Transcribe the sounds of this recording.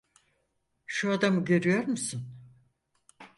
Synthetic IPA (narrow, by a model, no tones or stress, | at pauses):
ʃuad̪amɯɟø̞ɾyjo̞ɾmusun